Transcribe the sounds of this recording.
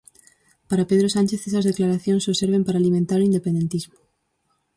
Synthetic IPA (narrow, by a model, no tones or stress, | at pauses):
paɾapeð̞ɾosant͡ʃeθesɐzðeklaɾaθjoŋsoseɾβ̞ẽmpaɾaːlimẽnt̪aɾoind̪epẽnd̪ent̪izmʊ